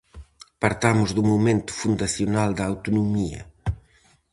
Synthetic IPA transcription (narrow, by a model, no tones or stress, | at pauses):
pɐɾt̪amʊzðumumẽnt̪ʊ̥fund̪ɐθiunald̪ɐːwt̪unumiɐ̰